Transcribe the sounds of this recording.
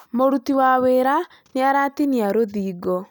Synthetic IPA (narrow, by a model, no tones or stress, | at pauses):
moɾutiwaweɾa | neaɾatiniaɾoðiːɡɔ